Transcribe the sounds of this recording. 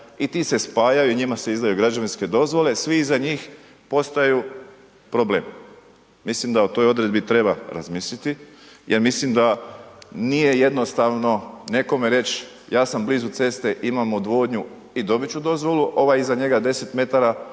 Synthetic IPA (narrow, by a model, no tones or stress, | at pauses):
it̪ise̞spaːjajuiɲimase̞izd̪ajuɡɾad͡ʒaʋinske̞d̪o̞zʋo̞le̞sʋiizaɲiːx | po̞st̪aju | pɾo̞bleːm | mislimd̪aut̪o̞jo̞d̪ɾe̞d̪bit̪ɾe̞baɾa̰zmiːslit̪i | jeɾmislimd̪a | nije̞je̞d̪no̞st̪aʋno̞ne̞ko̞meɾe̞t͡ʃ | jaːsambliːzut̪se̞st̪e̞ʔimamud̪ʋo̞ːd̪ɲu | id̪o̞bit͡ɕud̪o̞zʋo̞luʔo̞ʋajizaɲe̞ɡad̪e̞se̞t̪me̞t̪aɾa